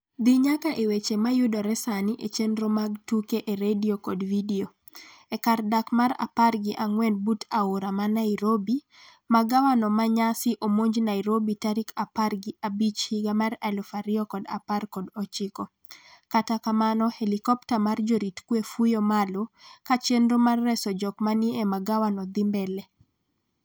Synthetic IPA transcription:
d̪iɲakaʔewet͡ʃemajudɔɾɛsaniʔet͡ʃenɾomaɡtukeʔeɾediokɔdvidio | ɛkardakmaɾa̰parɡɪʔaŋwɛnbutʰaoɾamanaiɾobi | maɡawanɔmaɲasɪʔomoɲd͡ʒnaiɾobitaɾikʰaparɡɪʔabit͡ʃhiɡamaɾalɔfaɾɪɔkɔda̰parkɔdɔt͡ʃɪkɔ | katakamanɔhelikɔptamard͡ʒoɾitkwefujomalokat͡ʃenɾomarːɛsɔd͡ʒɔkmanɪemaɡawanɔd̪ɪmbɛlɛ

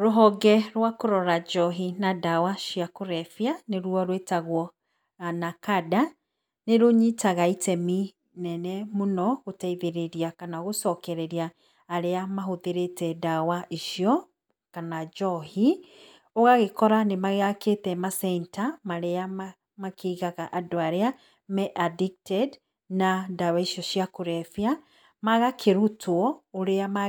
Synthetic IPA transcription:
ɾoɦɔɡɛɾwakoɾɔɾad͡ʒɔɦinadawaʃiakoɾɛfjaneɾwɔɾwetaɣwɔ | anakada | neɾoɲitaɣaitɛmi | nɛnɛmonɔɣotaiðeɾeɾiakanaoɣosɔkɛɾɛɾiaː | ɾeamaɦoðeɾetɛdawaiʃiɔ | kanad͡ʒɔhi | oɣaɣekɔɾanemaɣeɣaketɛmasɛntamaɾeama | makeiɣaɣaʔadoaɾea | mɛʔadik̚tɛd | nadawaiʃiɔʃiakoɾɛfia | maɣakʰeɾutʰwɔoɾeama

